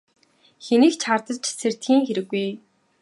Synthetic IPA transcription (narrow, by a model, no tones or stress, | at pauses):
xeniːkt͡ɕʰart̪ə̆t͡ɕser̥t̪xiːŋxeɾɘ̆ɣːuj